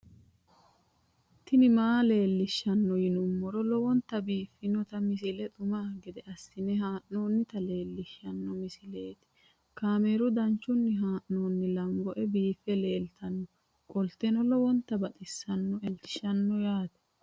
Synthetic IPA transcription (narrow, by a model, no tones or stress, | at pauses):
t̪ːɪnɪmaːle̞ːlːɪʃːɐnːɔjɪnʊmːɔɾɔlɔwɔnt̪ːɐbiːfːɪnɔt̪ɐmɪsɪlɛt̪ʼʊmaːɡɪd̪ɛʔɐsːɪnɛɦaːʔnoːnːɪt̪ɐle̞ːlːɪʃːɐnːɔmɪsɪleːt̪ɪ̥ | kaːmeːɾʊd̪ɐnt͡ʃːʊnːɪɦaːʔno̞ːnːɪlɐŋɡɔʔɛbiːfɛle̞ːlt̪ɐnːɔ | kʼɔlt̪ːenɔlɔwɔnt̪ːɐbɐt̪ʼɪsːɐnːɔɛlt̪ɪ̥ʃɐnːɔjaːt̪ɛ̥